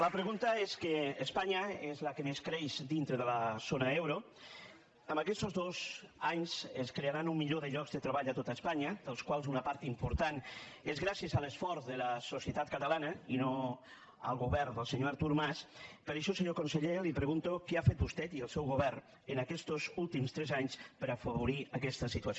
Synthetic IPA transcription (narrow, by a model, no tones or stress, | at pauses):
lapɾeɣunt̪aeskeːspaɲaezlakemeskɾejzd̪int̪ɾeðəlasonaewɾo | əmbakɛst̪ozðozaɲseskɾeaɾanumːiʎoðeʎɔkzðet̪ɾeaβaʎat̪ot̪aespaɲad̪əlskwalˠzunapaɾt̪impoɾt̪anezɣɾasjəzalˠəsfɔɾzðələsosiət̪at̪̚kət̪əlanəino | ə̰lˠɣuβɛɾd̪əlˠseɲoaɾt̪uɾmaspəɾəʃɔlseɲokonseʎelipɾəɣunt̪okeafet̪̚bust̪ɛt̪iəlˠsɛwɣuβɛɾ | ənakɛst̪ozulˠt̪imst̪ɾɛzaɲspəɾafəβuɾiəkɛst̪əsit̪uɐs